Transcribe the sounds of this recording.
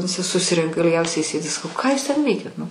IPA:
ʋʲɪˈsʲɪ sʊˈsʲɪrʲɛŋkɐ ɪlʲˈɡʲɛʊsʲɛɪ ˈsʲeːdʲɪ sɐˈkɐʊ ˈkɑː juːs ˈtʲɛn ˈʋʲɛɪkʲɛt nʊ

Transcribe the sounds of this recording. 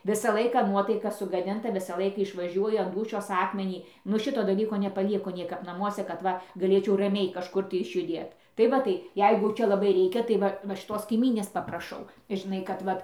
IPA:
ˈʋʲɪsɐ ˈlˠɐɪkɐ ˈnuɔtɐɪkɐ sʊɡɐˈdʲɪntɐ ˈʋʲɪsɐ ˈlˠɐɪkɐ ɪʃʋɐˈʒʲuɔjʊ ɐn ˈduːʃʲoːs ˈɑːkmʲɛnʲiː nʊ ˈʃʲɪtoː dɐˈlʲiːkoː nʲɛpɐˈʋʲiːkoː ˈnʲiɛkɐp nɐˈmuɔsʲɛ kɐt ˈʋɐ ɡɐˈlʲeːt͡ʃʲɛʊ rɐˈmʲɛɪ kɐʃˈkʊr tɐɪ ɪʃʲjʊˈdʲeːt tɐɪ ˈʋɐ tɐɪ ˈjɛɪɡʊ ˈt͡ʃʲɛ lˠɐˈbɐɪ ˈrʲɛɪkʲɛ tɐɪ ˈʋɐ ʋɐ ʃʲɪˈtoːs kɐɪˈmʲiːnʲeːs pɐprɐˈʃɐʊ ʒʲɪˈnɐɪ kɐt ˈʋɐt

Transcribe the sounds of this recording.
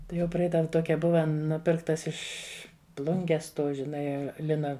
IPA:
ˈtɐɪ jɛʊ ˈprɐɪdɐw ˈtoːkʲɛ ˈbʊʋɐ ˈnʊpʲɪrktɐs ˈɪʃʲ ˈplˠʊŋʲɡʲɛs ˈtuː ʒʲɪˈnɐɪ ˈlʲɪnɐ

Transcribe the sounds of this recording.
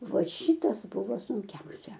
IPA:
ˈʋɐ ˈʃʲiːtɐs ˈbʊʋoː sʊŋʲˈkʲɛʊsʲɛ

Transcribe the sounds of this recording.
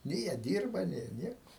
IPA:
nʲeː jiɛ ˈdʲiːrbɐ ˈnʲeː jiɛ ˈnʲiɛkʊ

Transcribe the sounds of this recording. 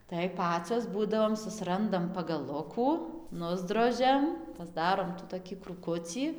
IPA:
tɐɪ ˈpɑːt͡soːs ˈbuːdɐʋoːm sʊsʲɪˈrɐndɐm pɐɡɐˈlˠʊkuː ˈnʊzdroːʒʲɛm pɐzˈdɑːroːm tuː toːˈkʲiː kruːˈkʊt͡sʲiː

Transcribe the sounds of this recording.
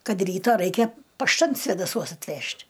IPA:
ˈkɐt ˈrʲiːtɐ ˈrɐɪkʲɛ pɐʃˈtɐn sʲʋʲeːdɐˈsuɔs ɐtʲˈʋʲɛʃʲtʲ

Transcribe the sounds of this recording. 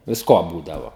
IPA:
ʋʲɪsˈkoː ˈbuːdɐʋoː

